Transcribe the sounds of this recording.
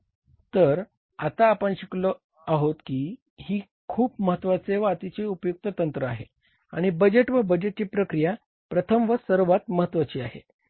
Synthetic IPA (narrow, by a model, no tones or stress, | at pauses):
t̪əɾ | at̪aːpəɳɕiklə | aɦot̪kiː | ɦiː | kʰuːp̚məɦət̪ʋat͡seʋaat̪it͡ɕeupjuk̚t̪ət̪ənt̪ɾəaɦe | a̰ɽ̃ibəd͡ʑeʈʋəbəd͡ʑeʈ̚t͡ɕiːpɾəkɾija | pɾət̪ʰəmʋəsəɾʋat̪̚məɦət̪ʋat͡ɕiːaɦḛ